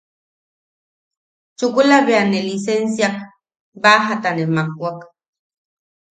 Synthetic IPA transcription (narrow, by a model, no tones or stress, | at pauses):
t͡ʃukulaβeanelisensjak | baɦat̪anemak̚wʷak